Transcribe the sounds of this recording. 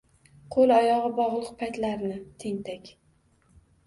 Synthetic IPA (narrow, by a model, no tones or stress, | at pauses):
qʰolˠɒjɒʁɨbɒʁlˠɨq̚pʰajt̪laɾnɪt̪ʰeŋt̪ʰakʲ